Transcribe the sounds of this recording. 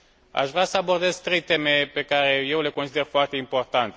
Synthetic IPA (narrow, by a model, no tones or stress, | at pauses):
a̰ʃvɾʲasəabo̞rd̪e̞zt̪ɾe̞jt̪e̞me̞pe̞kaɾe̞je̞wle̞konsid̪erfoart̪e̞impo̞rt̪ant̪